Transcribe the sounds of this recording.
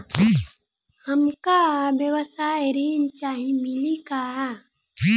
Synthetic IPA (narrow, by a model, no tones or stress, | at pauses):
i | hɐmkabjəwəsaːjɾiːnt͡ʃaːɦĩmɪlika